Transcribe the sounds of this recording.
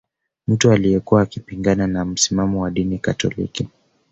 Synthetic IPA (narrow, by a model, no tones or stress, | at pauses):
m̩tualijɛkuwaːkipiŋɡananam̩simamɔwaɗinikatɔ̰lḭki